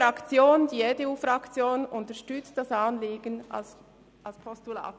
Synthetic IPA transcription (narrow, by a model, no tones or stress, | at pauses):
ɾɑkt͡sjoːndiedeuːfɾɑkt͡sjoːnʊntəʃtʏt͡std̥ɑsɑnliːɡ̥əna̰ls | ʔɑlspʰɔstula̰ːt